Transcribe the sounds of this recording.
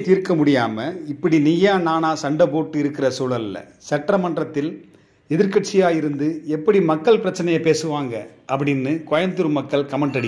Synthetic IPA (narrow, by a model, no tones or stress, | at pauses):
t̪iːɾkɐmʊɽɪjaːmɐɪpːɐɽinɪjaːnaːnaːsɐɳɖɐpoːʈːɯɪɾɯkːɪrɐsuːlɐlɪlːɐ̰ | sɐʈːrɐmɐɳɖrɐt̪ːɪl | ɛðɪɾkɐʈ̚t͡ʃɪjaːjɪɾɯnd̪ɯɛpːɐɽimɐkːɐɭpɪɾɐt͡ʃːɐnɐjɐpeːsɯʋaːŋɡɐʔɐpːɐɽɪnːɯkɔjɐnd̪ɯɾɯmɐkːɐɭkɐmɐɳɖɐɽɪ